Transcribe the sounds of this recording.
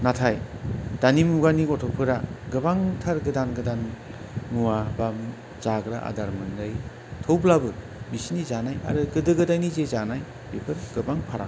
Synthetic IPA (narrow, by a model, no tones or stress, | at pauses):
natʰajdanimuɡanikɔtʰɔwpʰɯɾaɡɯbaŋtʰaɾɡɯdanɡɯdan | muwabam | z̥aɡɾa̰ʔa̰daɾmɯndɯj | tʰowblabɯ | bisnizanaja̰ɾɯɡɯdɯɡɯdajnizezanaj | bepʰɯɾɡɯbaŋpʰaɾa̰